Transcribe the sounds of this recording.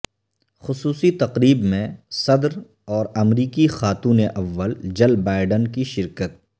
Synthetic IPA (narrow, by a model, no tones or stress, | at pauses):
xʊsuːsit̪ɐqɾiːbmẽsɐd̪ɾ | ɔːɾɐmɾiːkixaːt̪uːneʔɐʋːəld͡ʒɐlbaːɪɖənkiʃɪɾkət̪̚